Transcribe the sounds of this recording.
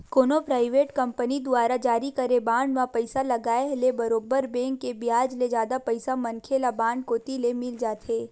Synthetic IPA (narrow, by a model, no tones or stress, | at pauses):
koːnopɾaːɪʋeːʈkɐ̃mpənid̪ʊaːɾad͡ʒaːɾikɐɾebãːɳɖmãpɐɪsalɐɡaːeɦlebɐɾoːbəɾbɛ̃ːŋkːebɪjaːd͡ʒled͡ʒjaːd̪apɐɪsamɐnkʰelabãːɳɖkoːt̪ilemɪld͡ʒaːt̪ʰeː